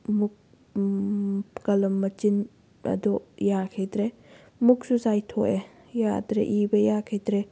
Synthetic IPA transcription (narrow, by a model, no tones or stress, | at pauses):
muk̚ | kɐlɐmːɐt͡ʃin | ɐ̰d̪ɔjakʰet̪ɾe | muksuzajt̪ʰɔʔe | ja̰d̪ɾḛʔibɐjakʰet̪ɾe